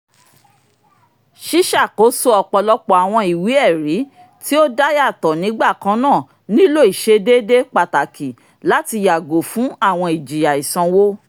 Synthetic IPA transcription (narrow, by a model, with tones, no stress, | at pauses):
ʃi˦ʃa˦˨ko˨˦so˦ɔ˧k͡pɔ˧lɔ˧k͡pɔ˨a˨w̃ɔ̃˧i˨wi˨˦ɛ˦˨ɾi˨˦ | ti˦o˦da˦ja˦˨tɔ˨nĩ˨˦ɡ͡ba˦˨kã˦nãː˦˨ | nĩ˦lo˦˨i˨ʃe˦de˦de˦k͡pa˨ta˨ki˨ | la˨˦ti˧ja˨ɡo˨fũ˨˦a˦˨w̃ɔ̃˧i˨d͡ʒi˨ja˨i˨sã˧wo˦